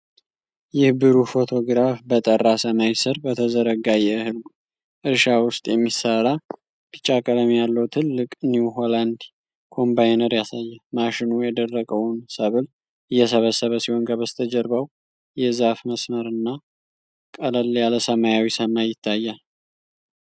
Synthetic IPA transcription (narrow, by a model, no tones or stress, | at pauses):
jɛhɨbɨɾufo̞t̪ʰo̞ɡɨɾafbət̪ʼərːasəmajsɨɾbət̪ʰəzəɾəɡajɛhɨlɡ | ʔɨɾʃawʊst̪ʼjɛmːisəɾa | b̥ɨt͡ʃʼːakʼələmjalːəwt̪ʰɨlːɨkʼniwɦoland̪ | kʰo̞mbajnəɾjasajːamaʃɪnujɛd̪ərːəkʼəwnsəβɨl | ɨjɛs̬əβəsəβəsiho̞nɡʰaβəst̪ʰəd͡ʒɛɾbaw | jɛzafməsməɾɨnːa | kʼələljaləsəmajawisəmajɪt̪ʰːajːal